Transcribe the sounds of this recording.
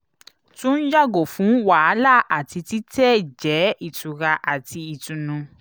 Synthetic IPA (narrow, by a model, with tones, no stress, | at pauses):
tũ˦n̩˦d͡ʒa˦˨ɡo˨fũ˨˦wa˨˦la˦˨ʔa˨ti˧ti˦tɛ˦d͡ʒɛ˨˦i˦˨tu˨ɾa˧ʔa˨ti˧i˨tũ˨nũ˧